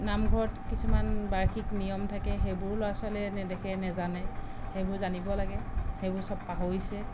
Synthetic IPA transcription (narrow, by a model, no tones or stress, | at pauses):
namɡʱɔɹɔtkisumanbaɹxʰiknijɔmtʰakɛɦebʊɹlɔwasalɛnɛdɛkʰɛnɛzanɛ | hejbʊɹzanibɔlaɡɛhebʊɹsɔbpaɦoisɛ